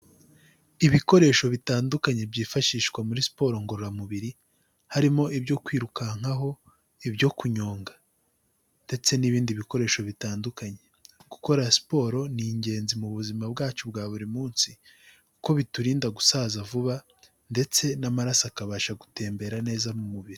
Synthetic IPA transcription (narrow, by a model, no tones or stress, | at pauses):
iβiko̞ɾe̞ːʃo̞βitaːndukaɲe̞bɟiːfaʃiːʃkwamuɾisi̥po̞ːɾo̞ŋɡo̞ɾoɾamuβiɾi | haɾimo̞ʔibɟo̞kwiːɾukaŋ̥haɦo̞ | ibɟo̞kuɲo̞ːŋɡa | nde̞t͡se̞niβiːndiβiko̞ɾe̞ːʃo̞βitaːndukaɲe̞ku̥ko̞ɾasi̥po̞ːɾo̞niːɲɟe̞ːnzimuβuzimabɡaːt͡ʃub̚ɡaːβuɾimuːnsi | ku̥ko̞βituɾiːndaɡusaːzavuβa | nde̞t͡se̞namaɾasakaβaːʃaɡute̞ːmbe̞ɾane̞ːzamumuβiɾi